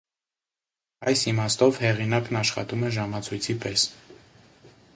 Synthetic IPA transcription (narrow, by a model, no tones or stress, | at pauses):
ɑjsimɑst̪ɔvhɛʁinɑknɑʃχɑ̰t̪umɛʒɑmɑt͡sʰujt͡sʰipɛs